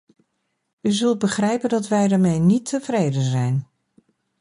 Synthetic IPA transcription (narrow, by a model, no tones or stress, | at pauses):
yzɵlˠt̚bəχrɛjpəndɑtʋɛjdaːɹmejnitʰːəvrejdənzɛjn